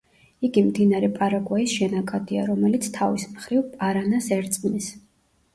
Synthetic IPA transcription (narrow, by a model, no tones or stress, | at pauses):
iɡimd̪inaɾɛpʼaɾaɡʼwaisʃɛnakʼad̪ia̰ɾɔmɛlit̪sʰt̪ʰavismχɾivpʼaɾanasɛɾt̪sʼnis